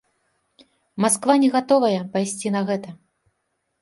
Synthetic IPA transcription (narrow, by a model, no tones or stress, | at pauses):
maskvanʲɛɣat̪ɔvɐjɛpajsʲt͡sʲinɐɣɛt̪ɐ